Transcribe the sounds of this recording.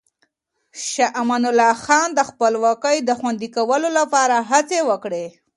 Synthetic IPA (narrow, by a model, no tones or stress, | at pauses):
ʃaʔmanʊlɑxɑnd̪əxpəlwɑkəjd̪əxwand̪ikawəlolapɑɾaɦat͡sewəkɽe